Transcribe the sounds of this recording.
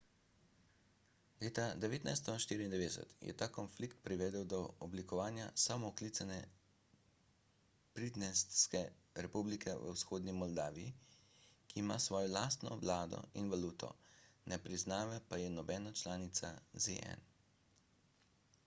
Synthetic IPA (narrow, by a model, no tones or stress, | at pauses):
leːt̪ad̪ɛʋeːt̪najst̪ɔʃt̪iːɾiːnd̪ɛʋeːd̪ɛsɛ̰t̪jɛ̰t̪aːkɔnflikt̪̚pɾiʋɛːd̪ɛwd̪ɔɔblikɔʋaːnjasaːmɔklit̪sanɛ | pɾid̪nɛsskɛ | ɾɛpublikʰɛʋə̰wsxoːd̪nimɔld̪aːʋijḭ | kiːmaːsʋɔːjɔlaːst̪nɔ̰ʋlaːd̪ɔ̰inʋaluːt̪ʰɔ̰nɛpɾiznaːʋɛpajɛnɔbɛːnat͡ʃlaːnit̪sazḛʔɛ̰n